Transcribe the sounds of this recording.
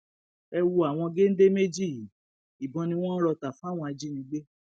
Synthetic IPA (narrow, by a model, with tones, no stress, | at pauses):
ɛ˧wu˧a˨w̃ɔ̃˧ɡe˦n̩˦de˦me˦d͡ʒi˦˨ji˨˦ | i˨bɔ̃˧nĩ˧w̃ɔ̃˦ɾɔ˧ta˨fw̃ɔ̃˧a˧d͡ʒi˦nĩ˧˦ɡ͡be˦